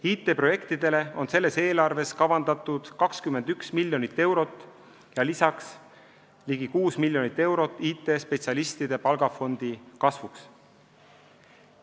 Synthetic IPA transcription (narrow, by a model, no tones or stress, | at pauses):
iːt̪ːˑe̞pro̞je̞kt̪id̪̥e̞le̞o̞nse̞lːe̞se̞ːlɑrve̞skɑvɑnd̪̥ɑt̪ːˑud̪̥kɑkskyme̞nd̪yksmilʲjo̞nit̪ːe̞wɾo̞t̪ːˑ | jɑlisɑks | liɡikuːsmilʲːjo̞nit̪ːˑe̞wɾo̞t̪ːˑiːt̪ːˑe̞ːspe̞t̪siɑlist̪id̪̥e̞pɑlɡ̥ɑfo̞nd̪̥ikɑsvuks